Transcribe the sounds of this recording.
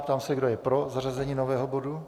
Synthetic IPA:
pt̪aːmsɛɡdojɛpɾo̞zarazɛɲiːnovɛːɦobo̞du

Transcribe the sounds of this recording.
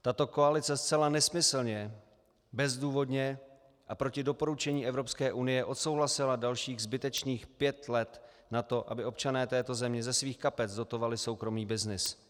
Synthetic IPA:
t̪at̪o̞ko̞alɪt͡sɛst͡sɛlanɛsmɪsl̩ɲɛ | bɛzduːvo̞dɲɛ | ʔapɾo̞cɪdo̞po̞ɾut͡ʃɛɲiːʔɛvɾo̞pskɛːʔunɪjɛʔo̞t̪so̞wɦlasɪladalʃiːɣzbɪt̪ɛt͡ʃniːxpjɛt̪lɛt̪ | nat̪o̞ʔa̰bɪʔo̞pt͡ʃanɛːt̪ɛːt̪o̞zɛmɲɛzɛsviːxkapɛt͡sdo̞t̪o̞valɪso̞wkɾo̞miːbɪznɪs

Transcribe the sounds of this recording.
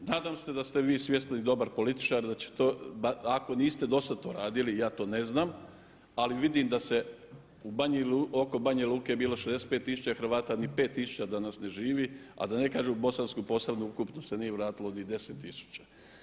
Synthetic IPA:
naːd̪amse̞d̪ast̪eʋiːsʋje̞st̪nanid̪o̞baɾpo̞lit̪i̥t͡ʃaɾd̪at͡ɕe̥t̪oːaako̞niːst̪e̞d̪o̞sad̪̚t̪o̞ːɾaːd̪ilijaːt̪o̞ːne̞znaːm | aliʋid̪imd̪ase̞ | ubaɲluo̞ko̞baɲaluːkejebiːlo̞ʃezeset̪̚pe̞ːt̪ːisu̥t͡ʃaxɾ̩ʋaːt̪anipe̞ːt̪ːisu̥t͡ɕad̪anasne̞ʒiːʋia̰d̪ane̞kaːʒeubo̞sanskujpo̞saʋnuukupnose̞nijeʋɾaːt̪ilonid̪e̞set̪ːisu̥t͡ɕa

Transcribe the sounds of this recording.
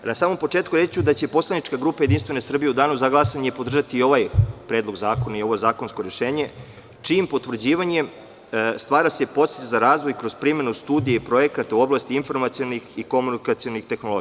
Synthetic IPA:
nasaːmompo̞t͡ʂeːt̪kuɾet͡ɕud̪at͡ɕepo̞slˠanit͡ʃkaɡɾuːpajed̪inst̪ʋe̞ne̞sr̩bije̞ud̪aːnuzaɡlasaɲe̞po̞d̪r̩ʒat̪iːo̞ʋajpɾedlˠo̞ɡzaːko̞naio̞ʋozaːko̞nsko̞ɾe̞ʃe̞ːɲe̞ | t͡ʂimpo̞t̪ʋr̩d͡ʑiːʋaɲe̞ | st̪ʋaːɾase̞po̞t̪se̥t̪ezaɾaːzʋo̞jkɾo̞z̥pɾime̞nust̪uːd̪ijeipɾo̞je̞kat̪auo̞blˠaːst̪iinfo̞ɾmat̪sijonixiko̞munikat̪sio̞nixt̪e̞xno̞lo̞ɡia

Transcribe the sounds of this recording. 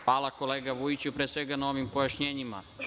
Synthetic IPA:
aːlˠako̞leːɡaʋujit͡ɕupɾeːsʋeɡanao̞ʋimpo̞jaʃɲeːɲima̰

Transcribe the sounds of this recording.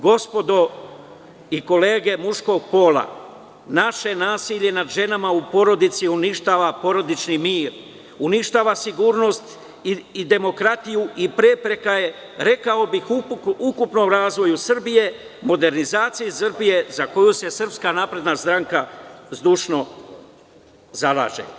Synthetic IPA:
ɡo̞spo̞d̪o̞ | iko̞le̞ːɡe̞muʃko̞ɡ̚po̞ːlˠa̰ | naʃe̞naːsiʎe̞nad̪ʒe̞namaupo̞ɾo̞d̪it̪siuniʃt̪aːʋapo̞ɾo̞d̪it͡ʃnimiːɾ | uniʃt̪aːʋasiɡuːɾno̞st̪ | iid̪e̞mo̞kɾat̪ijuipɾe̞pɾe̞kaje̞ | ɾe̞kao̞bixuukupno̞ːmɾaːzʋo̞jusr̩bije̞ | mo̞d̪e̞ɾnizaːt̪sijisr̩bije̞zako̞juse̞sr̩pskanaːpɾe̞d̪nast̪ɾaŋkazd̪uːʃno̞ | zala̰ːʒḛ

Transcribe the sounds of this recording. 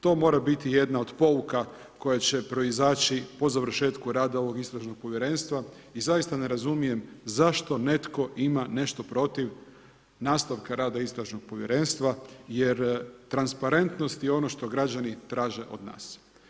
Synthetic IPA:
t̪o̞ːmo̞ːɾabit̪ije̞d̪nao̞d̪po̞ʋuka | ko̞jat͡ɕe̞pɾo̞izaːt͡ʃipo̞zaʋr̩ʃe̞ːt̪kuɾaːd̪ao̞ʋo̞ɡist̪ɾaʒno̞ɡ̥̚po̞ʋjeɾe̞nst̪ʋa | izajist̪ane̞ɾazumije̞mzaʃt̪o̞ne̞t̪ko̞ʔimane̞ʃt̪o̞pɾo̞t̪iʋ | naːst̪aʋkaɾaːd̪aist̪ɾaʒno̞ɡ̥̚po̞ʋjeɾe̞nst̪ʋajeɾt̪ɾanspaɾe̞nt̪nost̪jɛo̞noʃt̪o̞ɡɾad͡ʑanit̪ɾaːʒe̞ʔo̞d̪na̰ːs

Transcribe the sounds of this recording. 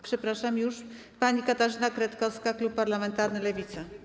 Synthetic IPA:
pʂɛpɾaʂamjuʂ | paɲikat̪aʐɘnakɾɛt̪kɔskaklupːaɾlamɛnt̪aɾnɘlɛvʲit̪sa

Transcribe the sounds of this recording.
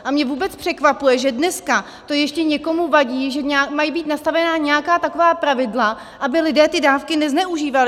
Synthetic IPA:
ʔamɲɛvuːbɛt͡spr̝̥ɛkvapujɛʒɛdnɛska | t̪o̞jɛʃcɛɲɛko̞muvaɟiːʒɛɲːmajibiːt̪nast̪avɛnaːɲɛjakaːt̪ako̞vaːpɾavɪdla | ʔabɪlɪdɛːt̪ɪdaːfkɪnɛznɛʔuʒiːvalɪ

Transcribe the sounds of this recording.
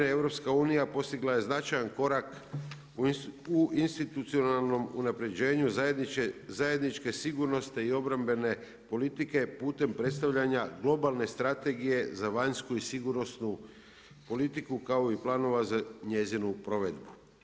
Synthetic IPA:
eʋɾo̞pskauːnijapo̞st̪iɡlaje̞znat͡ʃajanko̞ɾak | uinst̪it̪ut̪sio̞nalˠno̞mṵnapɾe̞d͡ʑe̞ːɲuezaje̞d̪nit͡ʃke̞siɡuɾno̞st̪eio̞bɾambe̞ne̞ | po̞lit̪ike̞puːt̪e̞mpɾe̞t̪st̪aʋʎaɲaɡlˠo̞balˠne̞st̪ɾat̪e̞ɡije̞zaʋaɲskuisiɡuɾno̞snu | po̞lit̪ikukao̞iplˠaːno̞ʋazaɲe̞zinupɾo̞ʋe̞d̪bu

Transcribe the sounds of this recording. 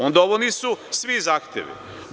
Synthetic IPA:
ond̪aoʋonisusʋizaːxt̪jḛʋḭ

